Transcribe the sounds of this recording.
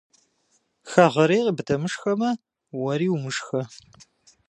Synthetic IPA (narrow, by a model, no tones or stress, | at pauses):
xaʁɐɾiːqəbɨtʰɐmɨʂxɐmɐ | wɐɾiːwmɨʂxɐ